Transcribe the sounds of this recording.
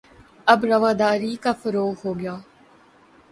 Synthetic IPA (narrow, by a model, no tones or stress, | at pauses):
ɐbɾɐʋaːd̪aːɾiːkaːfəɾoːɦoːɡɪjaː